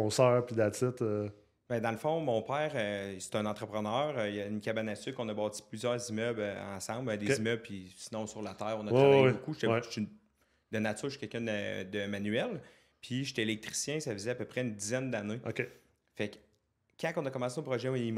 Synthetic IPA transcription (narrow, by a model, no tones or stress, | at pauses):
ɔ̃sœːʁpid̪at͡sɪt̪ə | bɛ̃d̪ɑ̃ləfɔ̃mɔ̃ːpɛːʁøse̥t̪ɛ̃nɑ̃ːt̪χəpχənœːʁøjəynkʲabanːasɪkɔ̃nabɑːt͡si̥plyzjœːʁzimœbl̰ɑ̰̃ːsɑ̃bɛd̪ezzimœblpʰisi̥nɔ̃syʁlat̪ɛːʁɔ̃nəʁaabokue̥t̪ɛt̪ | d̪ənat͡syːʁʃi̥kʲɛlkʲɛ̃d̪əd̪əmanyɛl | pʰiʒet̪ɛelɛk̚t̪ʁi̥sjɛ̃safəzɛapøpʁɛynd̪izɛnd̪aneokʲe | fɛk | kːãkɔ̃nəkɔmɑ̃ːseõpʁɔʒɛunim